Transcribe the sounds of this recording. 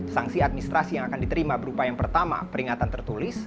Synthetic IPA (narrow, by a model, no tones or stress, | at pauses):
saŋsiat̪minist̪ɾasijaŋakandit̪əɾimabəɾupajaŋpərt̪ama̰pəɾiŋat̪ant̪ərt̪ulɪs